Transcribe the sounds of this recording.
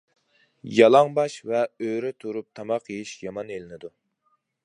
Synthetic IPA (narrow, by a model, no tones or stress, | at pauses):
jɑlˠɑŋbɑʃvɛøɾɪt̪ʰuɾup̚t̪ʰɑmɑqʰijiʃjɑmɑnelɪnɪd̪u